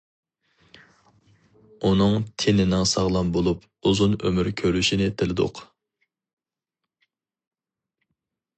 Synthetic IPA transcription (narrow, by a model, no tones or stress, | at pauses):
unɨŋt̪ʰenɪnɪŋsɑʁlˠɑmbolˠup | uzunø̰myɾkʲʰøɾyʃinɪt̪ʰɪlɪd̪ʊ̰q